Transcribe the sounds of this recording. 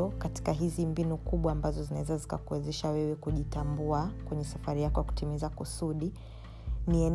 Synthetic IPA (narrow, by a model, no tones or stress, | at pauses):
ɔkati̥kaɦizimbinukuɓwaːmbazɔzinawɛzazika̰kuwɛzɛʃawɛwɛkuʄitambuakwɛɲɛsafaɾijakɔjaku̥timizakusuɗi | niɛ